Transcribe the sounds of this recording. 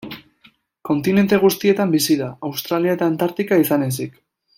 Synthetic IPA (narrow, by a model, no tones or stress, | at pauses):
ko̞nt̪ine̞nt̪e̞ɣ̞ust̪ie̞t̪ambisiðaawst̪ɾaliaet̪aːnt̪aɾt̪ikaisane̞s̬ik